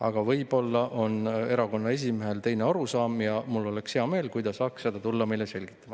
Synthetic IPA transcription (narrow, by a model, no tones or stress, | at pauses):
ɑ̰ɡ̥ɑvɤjbo̞lːɑʔo̞ne̞ɾɑko̞nːɑe̞s̬ʲimeɦe̞lt̪e̞jneɑɾusɑːmjɑmulːo̞le̞kshe̞ɑme̞ːlkujd̪̥ɑsɑːkssed̪̥ɑt̪ulːɑmejlese̞lʲɡ̥i̥t̪ːˑɑmɑ